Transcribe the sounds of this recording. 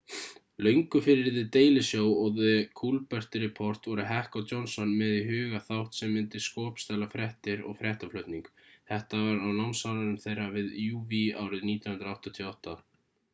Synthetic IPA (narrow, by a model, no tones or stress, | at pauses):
lœɥjŋkʏfɪɾɪɾðɪt̪eːjlɪsjoːwɔɣðɪkʰulpɛr̥t̪ɪɾɛpʰɔr̥t̪vɔɾʏɦɛhkawt̪ɔnsɔnmɛðɪɦʏːɣaθawht̪sɛmːɪnt̪ɪskɔːpst̪aːlafɾɛht̪ɪɾɔ̰ɣfɾɛht̪aflœɥt̪niŋkθɛht̪avaɾawnawnsawnaɾɪmθejrːavɪðjuːviaːwɾɪðniːt̪jnhʏnɾawht̪at̪ʰiɔwht̪a